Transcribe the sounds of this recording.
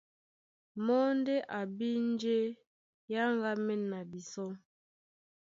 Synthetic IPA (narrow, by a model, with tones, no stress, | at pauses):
mɔ˦n˦de˦ʔa˨bi˦n˦d͡ʒe˦ | ja˦ŋɡa˦mɛ˦nːa˨bi˨sɔ˦ŋ